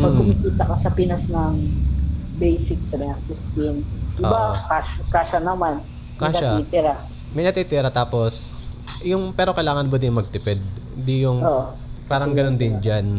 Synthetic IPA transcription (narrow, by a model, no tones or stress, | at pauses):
mɐɡʊmikiːt̪ɐkɐsɐpɪnɐsnɐŋ | bɛjsɪksɐbɐɲɐŋkʊst̪ɪnʔo̰bakaʃkaʃɐnɐman | kaʃɐait̪ɪɾa | mɐjnɐt̪iːt̪ɪɾɐt̪aːpo̞sjʊŋpɛːɾo̞kɐjlaːŋɐnbod̪ɪmɐɡ̚t̪ɪpɛd̪̚ | d̪ijʊŋoʔo | paːɾɐŋɡɐno̞nd̪ɪnd͡ʒan